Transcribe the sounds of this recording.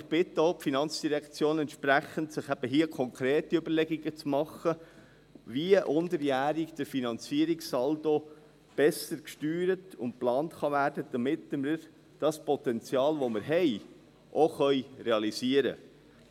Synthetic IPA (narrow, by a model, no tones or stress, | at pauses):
ɪχb̥ɪtːəoʊpfinɑnt͡sd̥iɾɛkt͡sjoːnɛntʃpɾæχəntsɪχæb̥əɦiəkʰɔŋkɾeːtiøbəɾlɛɡiɡət͡smɑχə | viəʔʊndəɾjæːɾikd̥əɾfinɑnt͡siəɾiksɑldo | b̥ɛsəɾkʃtyːɾətʊnt̚plɑːntχɑvæːrdəd̪̥ɑmɪtmɪɾ | d̥ɑspɔt̪ɛnt͡sjɑːlʋomɪɾɦɛɪ | ʔoχœjɾeɑlisiəɾə̰